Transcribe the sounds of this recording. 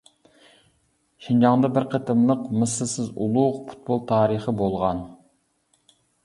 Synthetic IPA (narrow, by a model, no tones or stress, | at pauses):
ʃind͡ʒɑŋd̪ɑbɪɾqʰət̪ɨmlˠəqmɨsɨlˠsɪzṵlˠuʁpʰu̥t̪̚bolˠt̪ʰɑːɾəχəbolˠʁɑn